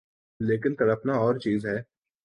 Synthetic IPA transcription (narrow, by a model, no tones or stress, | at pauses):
leːk̬ɪnt̪ɐɽəpnaɔːɾt͡ʃiːzɦɛː